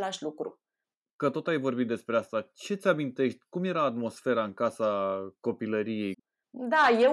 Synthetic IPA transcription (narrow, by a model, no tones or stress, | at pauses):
laʃlukɾu | kət̪o̞t̪ajvo̞rbit̪̚d̪e̞spɾe̞ast̪at͡ʃe̞t̪sʲamint̪e̞ʃt̪ʲkumje̞ɾaːt̪mo̞sfe̞ɾaɨŋkasako̞piləɾije̞j | d̪aje